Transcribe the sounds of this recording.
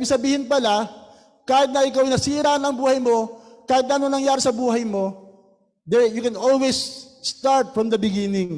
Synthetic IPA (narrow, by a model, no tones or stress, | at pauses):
bɪɡsɐbiːhɪnpɐla | kaːhɪt̪̚nɐɪkawjnɐsiːɾanɐŋbuːhɐjmo̞kaːhɪt̪̚nɐɐnoŋnɐŋjaːɾɪsɐbuːɦɐjmo̞ | d̪ɛjukɛnolwesst̪aɹt̪̚fɹɐmd̪ɐbɪɡinɪŋ